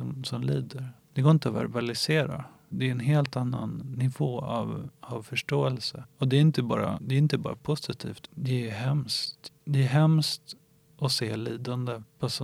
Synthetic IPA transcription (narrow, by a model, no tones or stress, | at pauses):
sɔmsɔmliːd̪əɾd̪̥ɛɡoːɾɪnt̪əɔvæ̰ɾbalɪseːɾa̰ | d̪ɛːɾɛnɦeːlt̪anːa̰nːɪvoːa̰vavfœʂʈoːɛlsəɔd̪ɛːɾɪnt̪əbɑ̰ːɾa̰d̪ɛːɾɪnt̪əbɑ̰ːɾapʰʊsɪt̪ʰḭːft̪d̪ɛæɦɛmst̪d̪ɛæɦɛmst̪ | ʔɔseːɭiːd̪and̪əpʰɔs